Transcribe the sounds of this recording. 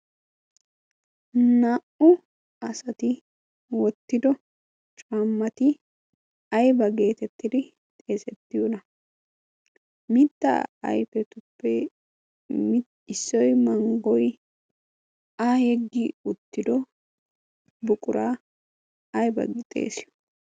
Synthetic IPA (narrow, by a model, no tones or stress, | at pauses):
naːʔʊ | ɐsɐt̪ɪ | wɔt̪ːɪd̪ɔ | t͡ʃʼaːmːɐt̪ɪ | ɐjbɐɡe̞ːt̪ɛt̪ːɪd̪ɪ | t̪ʼe̞ːsɛt̪ːɪjunɐ | mɪt̪ːɐ̰ɐ̰jfɛt̪ʊpːɛ | m | ɪsːɔjmɐŋɡɔj | ahɛɡːiːʊt̪ːɪd̪ɔ | bʊkʼʊɾaː | ɐjbɐ̰ɡɪt̪ʼḛːsɪ